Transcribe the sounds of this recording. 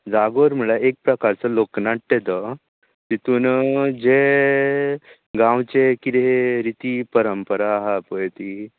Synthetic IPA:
d͡zaɡoɾm̤əɭaek̚pɾəkaɾt͡səloknaʈʈed̪ə | t̪it̪uːnd͡ʑe | ɡãwt͡ɕekid̪eɦeɾit̪ipəɾəmpəɾaɦapəjt̪i

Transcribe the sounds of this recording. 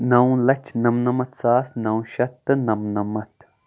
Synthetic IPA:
nɐw̃lɐt͡ʃʰnɐmnɐmɐt̪saːsnɐw̃ʃɐt̪ːɨnɐmnɐmɐt̪

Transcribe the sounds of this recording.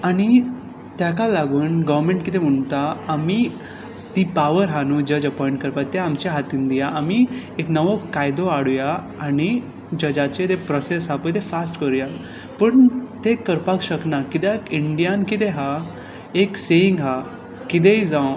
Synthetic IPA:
aɽ̃i | t̪jakalaɡuːnɡəʋɾmẽɳʈkit̪ẽm̤əɳt̪aːmi | t̪ipaʋəɾɦanuːd͡ʑəd͡ʑəpɔiɳʈkəɾpat̪ːeamt͡ɕaɦat̪iːnd̪ijaʔamieknəʋokajd̪oaɽuja | aɽ̃i | d͡ʑəd͡ʑat͡ɕet̪epɾɔsesɦapəɳt̪ẽfasʈkəɾuja | pəɳt̪ekəɾpakɕəknakit̪ekiɳɖijankit̪eɦa | ekseiŋɡɦa | kit̪̬eid͡zãw

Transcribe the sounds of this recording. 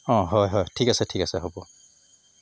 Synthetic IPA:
ɔ̃ɦɔjɦɔjtʰikasɛtʰikasɛɦobɔ

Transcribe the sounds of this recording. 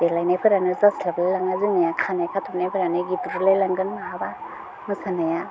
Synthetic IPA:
d̥elajnajpʰɯɾanɯzaslablalaŋazɯmajakʰanajkʰatʰɔpnajpʰɯɾanɯɡibuɾulajlaŋɡɯnmaɦaba | mɯsanaja

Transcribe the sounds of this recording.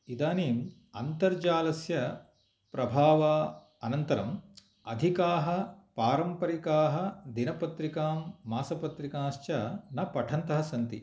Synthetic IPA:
id̪aːniːm | ɐnt̪ɐɾd͡ʒaːlɐsjɐ | pɾɐbʱaːʋaː | ɐnɐnt̪ɐɾɐm | ɐd̪ʱikaːɦɐ̆paːɾɐmpɐɾikaːɦɐ̆d̪inɐpɐt̪ɾikaːmːaːsɐpɐt̪ɾikaːʃt͡ʃɐnɐpɐʈʰɐnt̪ɐɦɐsɐnt̪ḭ

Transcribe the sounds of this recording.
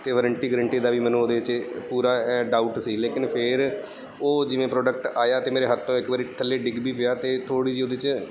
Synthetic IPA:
t̪eːʋəɾəɳʈiːɡɾəɳʈiːd̪aːʋiːmɛːnũoːd̪eːɪt͡ʃpuːɾaːɖaːʊʈsiːleːkɪnpʰɪɾ | oːd͡ʒɪʋẽːpɾoːɖəkʈaːjaːt̪eːmeːɾeːɦət̪ʰːõːɪkʋaːɾiːʈʰəlːeːɖɪɡbiːpɪjaːt̪eːt̪ʰoːɽiːd͡ʒiːoːd̪eːt͡ʃ

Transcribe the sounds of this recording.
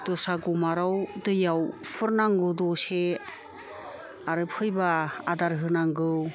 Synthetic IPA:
d̥ɔsaɡɔmaɾawdɯjawpʰɯɾnaŋɡɯdɔse | aɾɯpʰɯjbaadaɾɦɯnaŋɡɯw

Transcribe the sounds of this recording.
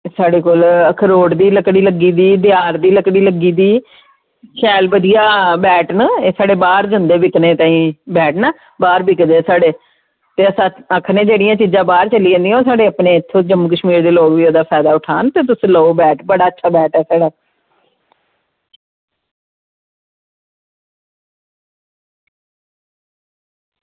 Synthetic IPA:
saːɖeːkoːləkʰəɾoːɖd̪iːləkɽiːləɡiːd̪iːd̪ɪjaːɾd̪iːləkɽiːləɡːiːd̪iː | ʃʰɛːlbəd̪ɪjaːbɛːʈneːsaːɖeːbaːɾd͡ʒənd̪eːbɪknẽːt̪ãːĩːbɛːʈnaː | baːɾbɪkd̪eːsaːɖeː | t̪eːəsãːəkʰnẽːd͡ʒeːɽijãːt͡ʃiːd͡ʒãːbaːɾt͡ʃəliːẽnd̪ijãːoːsaːɖeːəpnẽːɪt̪ʰːoːd͡ʒəmuːkəʃmiːɾd̪eːloːkʋiːoːd̪aːpʰɛːd̪aːʊʈʰaːnt̪eːt̪̬ʊsĩːləobɛːʈbəɽaːətːʃʰaːbɛːʈɛːsaːɽaː

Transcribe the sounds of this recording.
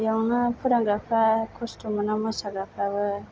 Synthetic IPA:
jawnapʰuɾaŋɡapʰakʰostumɯnamasaɡapʰɾabɯ

